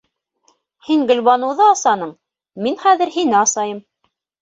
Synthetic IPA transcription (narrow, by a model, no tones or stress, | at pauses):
hiŋɡɵ̆lβɑnɤ̆wðɤɑsɑnɤɴ | minχæðɘ̆ɾhinɘɑsɑjɤm